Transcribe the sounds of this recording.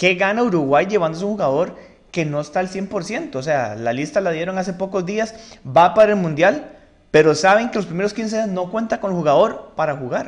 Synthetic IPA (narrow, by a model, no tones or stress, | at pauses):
ke̞ɣanauɾuɣwajd͡ʒe̞βand̪oseuŋxuɣaðo̞ɾ | keno̞est̪aelsje̞mpo̞ɾsje̞nt̪oːs̬e̞alalist̪alaðje̞ɾoŋas̬e̞po̞ko̞zd̪iasbapaɾelmũnd̪jal | pe̞ɾosaβe̞ŋke̞lospɾime̞ɾoskins̬ezno̞kwe̞nt̪aŋko̞nelxuɣaðo̞ɾpaɾaxuɣaɾ